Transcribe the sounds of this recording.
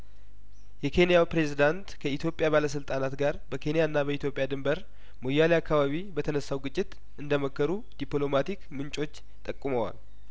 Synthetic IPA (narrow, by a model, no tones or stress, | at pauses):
jɛkʰe̞nijawpɾe̞zid̪ant̪kʰəit̪jo̞pʼjaβaləs̬ɨlt̪ʼanat̪ɡaɾbəkʰe̞nijanːabəit̪jo̞pʼjad̪ɨmbəɾ | mo̞jːaliakʰːaβaβibət̪ʰənəsːawɡɨt͡ʃʼːɪt̪ | ʔɨnd̪əməkːəɾu | d̪̥iplo̞mat̪ikmɨnt͡ʃʼo̞t͡ʃː | t̪ʼəkʼːuməwa̰l